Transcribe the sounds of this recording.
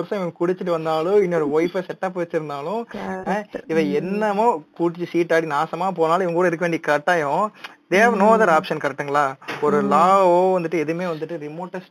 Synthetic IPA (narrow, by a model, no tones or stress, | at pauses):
ɐɾsɐ̃ɪʋɐkʊɽɪt͡ʃːɯʈ̬ːɯʋɐnd̪aːlʊ̃ɪnːɔɾɯʋɐɪfɐsɛʈːaːpːʋɐt͡ʃːɪɾɯnd̪aːlʊ̃ | ɪʋɐ̃ɛnːɐmõːkuːʈ̬ːɪt͡ʃːɯsiːʈːaːɽinaːsɐmaːp̬oːnaːl̃ɪʋɐŋɡkuːɽɐɪɾɯkːɐʋeːɳɖikɐʈːaːjõd̪eːɐʋnoːðɐɾaːpʂɐnkɐɾɛk̚ʈːɯŋɡɐɭaːɔɾɯlaːoːʋɐnd̪ɯʈːɯɛðɯmeːʋɐnd̪ɯʈːɯɾɪmoːʈːɐsʈ